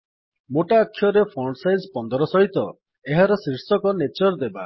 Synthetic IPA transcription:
moʈaːkʰːjɔɾepʰɔɳɖsajzpɔnd̪ɔɾɔsɔɦit̪ɔ | eɦaɾɔsiɾsɔkɔnet͡ʃɔɾd̪eba

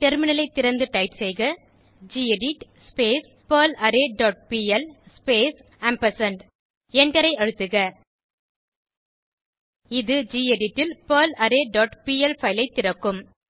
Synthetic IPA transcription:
ʈɛɾmɪnɐlɐɪt̪ːɪɾɐnd̪ɯʈɐɪʈsɛjɣɐ | d͡ʒiːeɖɪʈspeːs | pɐːlɐɾeɖɔːʈ̚piːɛlspeːs | ɐmpɐsɐɳɖ | ɛɳɖɐɾɐɪɐɻɯt̪ːɯɣɐ | ɪðɯd͡ʒiːeɖɪʈːɪlpɐːlɐɾeːɖɔːʈpiːɛlfɐɪlɐɪt̪ːɪɾɐkːɯm

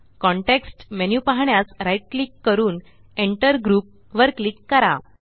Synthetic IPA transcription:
kɔɳʈeksʈmenjupaɦɳjasɾajʈ̚klikːəɾuːn | eɳʈəɾɡɾuːp̚ | ʋəɾklikːəɾa̰

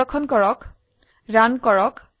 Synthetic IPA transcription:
ɔkʰɔnkɔɹɔk | ɹankɔɹɔk

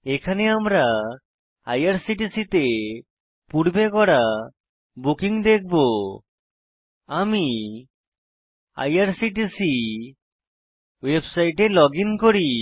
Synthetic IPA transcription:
ekʰaneamɾa | a̰jaɾsiʈisit̪e | puɽbekɔɽa | bukiŋd̪ek̚ʰbo | ami | a̰jaɾsiʈisi | websajʈelɔɡiŋkoɾi

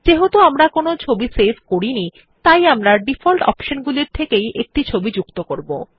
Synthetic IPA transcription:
d͡ʑeɦot̪oamɾakonot͡ɕʰobisebʱkoɾini | t̪ajamɾaɖifʰolʈɔ̰pʃonɡuliɾt̪ʰekejʔek̚ʈit͡ɕʰobid͡ʑukt̪okoɾbo̰

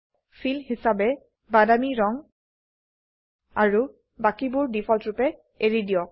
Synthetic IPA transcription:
fʰilhisabɛ | badamiɹɔŋ | aɹu | bakibuɹdifʰɔltɹupɛ | eɹidiɔ

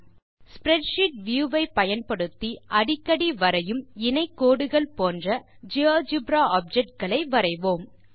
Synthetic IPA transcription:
spɾɛɖʃɪʈ̚ʋjuːʋɐɪpɐjɐnpɐɽɯt̪ːiʔɐɽɪkːɐɽiʋɐɾɐjɯmɪnɐɪkːoːɽɯɣɐɭpoːndrɐd͡ʒioːd͡ʒɪbɾaːaːp̚d͡ʒɛk̚ʈ̚ɡɐɭɐɪʋɐɾɐɪʋoːm

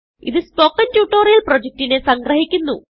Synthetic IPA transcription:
ḭðɨspokːɐntjuːʈːoːɾijɐlprod͡ʑek̚tinesɐŋɡɾɐɦikʲːunːu

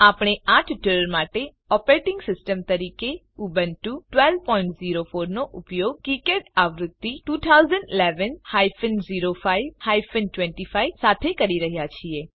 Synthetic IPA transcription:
apɳ̃eaʈʰʈəɾəɾmaʈe | ɔpɾeʈɪ̃ŋɡsɪsʈəmt̪əɾike | ubənʈuʈʋɛlpɔĩɳʈziɾofoɾnoʔʊpjoɡ̚kikeʈaʋɾʊd̪ːiʈut̪ʰauzəɳɖileʋənhaifənziɾofaiʋhaifənʈʋɛ̃ɳʈifaisat̪ʰekəɾiɾəɦjat͡ʃʰie

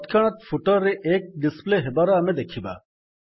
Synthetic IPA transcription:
t̪kʰɐɽ̃ɐt̪fʰʊʈəɾeʔeːk̚ɖɪspleɦɪbaːɾaɐmẽd̪ekʰiba̰

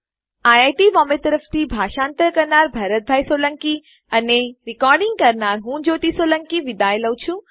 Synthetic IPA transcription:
aːjaːjʈiʋɔːmet̪ɐɾəft̪ibʱaːʃãːnt̪əɾkɐɾnaːɾbʱɐɾət̪̚bʱaːisoːlɐ̃ŋki | ɐneɾɪkɔːɾɖĩŋɡ̚kɐɾnaːɾɦũːd͡ʑoːt̪isoːlə̃ŋkiʋɪd̪aːjləwt͡ɕʰũ

